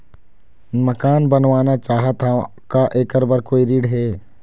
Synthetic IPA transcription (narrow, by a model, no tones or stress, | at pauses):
mɐkaːnbɐnʋaːnat͡ʃaːɦət̪a | kaʔeːkəɾbəɾkoːiɾiːɖɦɛː